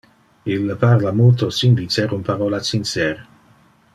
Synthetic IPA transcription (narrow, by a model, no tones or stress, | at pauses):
ilːəpaʁlamult̪osind̪it͡seɾunpaɾolasinseɾ